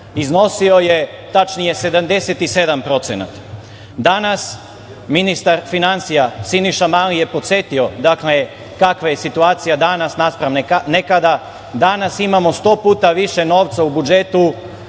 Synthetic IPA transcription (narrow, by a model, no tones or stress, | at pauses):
izno̞sio̞je̞ | t̪at͡ʃnije̞se̞d̪amd̪e̞set̪ise̞d̪ampɾo̞t̪sena̰t̪ | d̪anas | minist̪aɾfinant̪sijasiniʃamalije̞po̞t̪se̞t̪io̞d̪akle | kakʋaje̞sit̪uaːt̪sijad̪anasnaspɾaʋnenekad̪a | d̪anasimamo̞st̪o̞ːpuːt̪aʋiʃe̞no̞ːʋt̪saubud͡ʒe̞t̪u